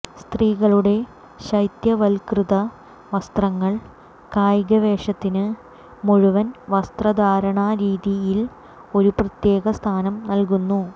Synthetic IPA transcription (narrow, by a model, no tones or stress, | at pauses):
st̪riːɣɐɭuɽe̞ | ɕɐjt̪jɐʋɐlkrɨðɐ | ʋɐst̪rɐŋːɐɭ | kaːjɡɐʋe̞ːʂɐt̪ːinɨ | muɻuʋɐnʋɐst̪rɐd̪aːɾɐɳɐɾiːðijil | o̞ɾuprɐt̪je̞ːɣɐst̪ʰaːnɐmnɐlkunːu